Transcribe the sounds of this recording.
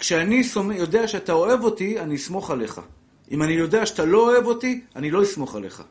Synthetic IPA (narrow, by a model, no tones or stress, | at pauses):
kʃeanisomjo̞de̞aʃeatao̞e̞vo̞t̪ianiismo̞χale̞χa̰ | ʔimanijo̞d̪e̞aʃeat̪alo̞oe̞vo̞tianilo̞ismo̞χa̰le̞̰χa̰